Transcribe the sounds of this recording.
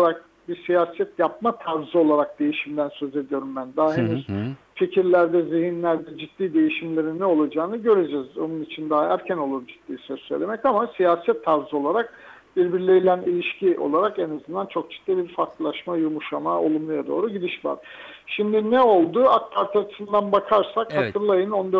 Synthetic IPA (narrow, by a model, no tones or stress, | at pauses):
aɾak̚ | bisijaːsɛt̪jap̚mat̪ʰaɾzɯo̞lˠaɾak̚d̪̥e̞jiʃimd̪ænsø̞ze̞d̪ijo̞ɾumbænd̪aaɦenyz̥ | ficʰiɾlʲæɾd̪ɛzihinlʲæɾd̪ɛd͡ʒit̪ːiːd̪e̞jiʃimlʲe̞ɾinːɛo̞lˠad͡ʒaːnɯɟø̞ɾed͡ʒɛzo̞̰nunit͡ʃʰind̪aːaæɾcʰæno̞lˠuɾd͡ʒit̪ːiːsøzsøjlʲe̞mɛcamasijaːsɛt̪ʰːaɾzɯo̞lˠaɾak̚ | b̥iɾbiɾlʲejilʲænilʲiʃciʔo̞̰lˠaɾakɛnazɯnd̪ant͡ʃʰo̞k̚d͡ʒi̥t̪ʰːiːbiɾfaɾkllˠaʃmajumuʃamao̞̰lˠumlˠujad̪o̞̰ːɾuɟid̪iʃva̰ɾ̥ʃimd̪inɛo̞lˠd̪uak̚pʰaɾt̪ʰaat͡ʃʰɯ̥sɯnd̪anbakʰaɾsakhat̪ʰɯɾlˠajɯnond̪ø